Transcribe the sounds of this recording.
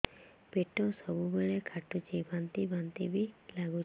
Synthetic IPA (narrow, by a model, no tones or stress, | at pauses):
peʈɔsɔbubeɭekʰaʈut͡ʃʰibʱant̪ibant̪ibilaɡut͡ʃ